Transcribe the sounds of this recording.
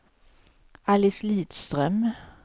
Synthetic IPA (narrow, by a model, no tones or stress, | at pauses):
ʔalɪsliːt̪st̪ɾœm